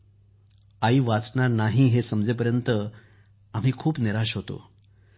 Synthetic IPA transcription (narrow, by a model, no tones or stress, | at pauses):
aiːʋat͡sɳaɾnaɦiːɦesəmd͡zepəɾjənt̪ə | am̤iːkʰuːpneɾaɕɦot̪o̰